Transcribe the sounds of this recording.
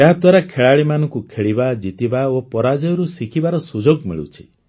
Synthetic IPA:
aɦad̪waɾakʰeɭaɭimanɔ̃ŋkukʰeɭibad͡ʒit̪ibaopɔɾad͡ʒɔjɔɾusikʰibaɾɔsud͡ʒoɡmḭɭṵt͡ʃʰi̥

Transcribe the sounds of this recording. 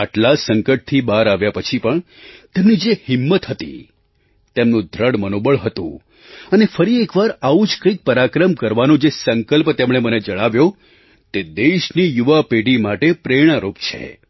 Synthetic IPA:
aʈlasəŋkəʈ̚t̪ʰibaɾaʋjapət͡ʃʰipəɳ | t̪emnid͡ʒehɪmːət̪ɦət̪ḭ | t̪emnũd̪ʱɾəɽmənobəɭɦət̪ṵ̃ | ənefəɾiekʋaɾaud͡ʒkəik̚pəɾakɾəmkəɾʋanũd͡ʒesəŋkəlpt̪emɽ̃eməned͡ʒəɽ̃aʋjo | t̪ed̪eʃnijuʋapeɽimaʈepɾeɽ̃aɾupt͡ʃʰḛ

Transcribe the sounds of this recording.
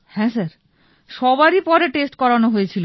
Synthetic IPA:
hɛ̃saɾ | ʃɔbaɾipɔɾeʈesʈkɔɾanoɦojet͡ɕʰilo

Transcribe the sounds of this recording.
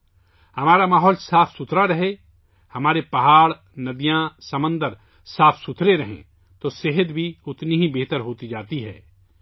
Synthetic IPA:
hɐmaːɾamaːɦɔːlsaːfʰsʊt̪ʰɾaɾɐɦe | hɐmaːɾepɐɦaːɽ | nɐd̪ijãsɐmə̃nd̪əɾ | saːfʰsʊt̪ʰɾeɾɐɦḛ̃ | t̪oːseɦəd̪bʱiʊt̪niɦibeɦt̪əɾɦoːt̪id͡ʒaːt̪iɦɛ̰ː

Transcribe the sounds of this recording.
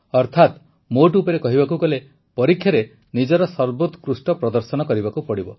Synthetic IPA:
ɔɾt̪ʰat̪ | moʈ̬uːpɔɾekɔɦibakuɡɔle | pɔɾikʰːjaɾe | nid͡ʒɔɾɔsɔɾbot̪kɾusʈɔpɾɔd̪ɔɾsɔnɔkɔɾibakupɔɽibɔ

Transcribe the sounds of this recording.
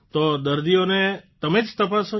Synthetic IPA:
t̪od̪əɾd̪ijonet̪əmed͡ʒt̪əpaso

